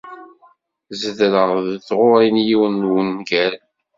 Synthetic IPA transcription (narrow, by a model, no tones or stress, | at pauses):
zəðɾəʁðθʁʊɾˤinjiwənwənːɡæl